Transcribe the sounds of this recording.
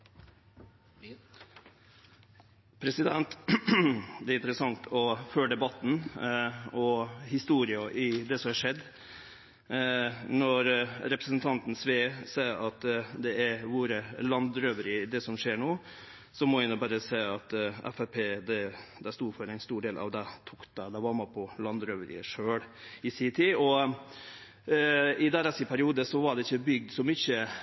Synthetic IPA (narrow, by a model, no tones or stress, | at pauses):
pʰɾɛsɪd̪ɛnt̪ | d̪ɛːɾɪnt̪əɾəsɑŋt̪ʰɔføːɖ̪ɛbɑt̪ːn̩ | ɔhɪst̪uːɾɪɑʔɪd̪ɛsɔmhɑʂɛd̪ː | nɔɾɾɛpɾəsənt̪ʰɑnt̪n̩sʋeːsæɪɾɑt̪d̪ɛæɾʋuːɾəlɑnd̪ɾøːʋəɾɪd̪ɛsɔmʂeːɾɳoː | sɔmɔɪnːɔbæːɾəsæɪɑt̪ɛ̰fæpʰeːd̪ɛd̪æst̪uːfɔɾæɪnst̪uːɖeːlʔɑ̰ʋd̪ɛt̪ʰuːkd̪ɑd̪æʋɑɾmɑpʰɔlɑnd̪ɾøʋəɾɪ̰əʂøːɽɪsɪt̪ʰɪɔ | ɪd̪æːɾɑsɪpʰæɾɪuːd̪əsɔʋɑɖɛɪçːəbʏɡ̚d̪sɔmʏçə